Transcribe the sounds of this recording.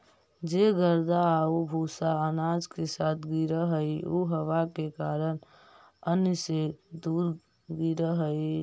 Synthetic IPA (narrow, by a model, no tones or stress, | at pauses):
d͡ʒeɡəɾd̪aobʱuːsaənad͡ʒkesaːt̪ʰɡiɾəɦəiuɦəʋakekaːɾən | ənjsed̪uːɾ | ɡiɾəɦəi